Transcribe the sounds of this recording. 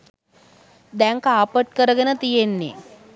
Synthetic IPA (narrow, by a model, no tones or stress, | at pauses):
d̪ɛŋkaːpəʈ̚kəɾəɡənət̪ijenːḛ